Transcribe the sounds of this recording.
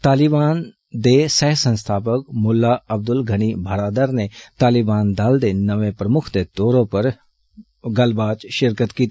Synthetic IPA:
t̪aːlibaːn | d̪eːsɛːɦsə̃nst̪ʰaːpəkmʊlːaːəb̚d̪ʊlɡʱəniːbʱaːɾaːd̪əɾneːt̪aːlɪbaːnd̪aːld̪eːnəʋẽːpɾəmʊkʰd̪eːt̪oːɾõːpəɾ | ɡəlbaːt͡ʃʃɪɾkət̪kiːt̪i

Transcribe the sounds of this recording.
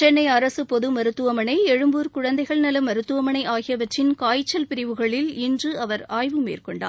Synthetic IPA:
t͡ʃɛnːɐɪɐɾɐsɯpɔðɯmɐɾɯt̪ːɯʋɐmɐnɐɪɛɻɯmbuːɾkʊɻɐnd̪ɐɪɣɐɭnɐlɐmɐɾɯt̪ːɯʋɐmɐnɐɪʔaːɣɪjɐʋɐʈrɪnkaːjt͡ʃːɐlpɪɾɪʋɯɣɐɭɪlɪndrɯɐʋɐɾaːjʋɯmḛːrkɔɳɖa̰ː

